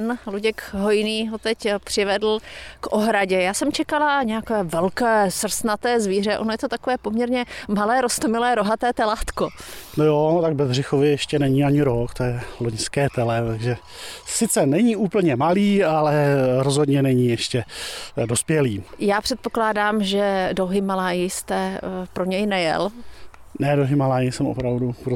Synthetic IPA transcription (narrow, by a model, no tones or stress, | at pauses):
nluɟɛkɦo̞jniːɦo̞t̪ɛcpr̝̥ɪvɛdl̩kʔo̞ɦɾaɟɛjaːsɛmt͡ʃɛkalaɲɛjakɛːvɛlkɛːsr̩snat̪ɛːzviːrɛʔo̞nojɛt̪o̞t̪akovɛːpo̞mɲɛɾɲɛmalɛːɾost̪omɪlɛːɾo̞ɦat̪ɛːt̪ɛlat̪konojot̪aɡ̚bɛzrɪxovɪjɛʃcɛnɛɲiːaɲɪɾokt̪ojɛloɲskɛːt̪ɛlɛt̪aɡʒɛ | sɪt͡sɛnɛɲiːuːpl̩ɲɛmaliːalɛɾozɦodɲɛnɛɲiːjɛʃcɛdo̞spjɛliːjaːpr̥ɛt̪̚poklaːdaːmʒɛdoɦɪmalaːjɪst̪ɛpɾo̞ɲɛjnɛjɛ̰l | nɛdoɦɪmalaːjɪsɛmo̰pɾavdupɾo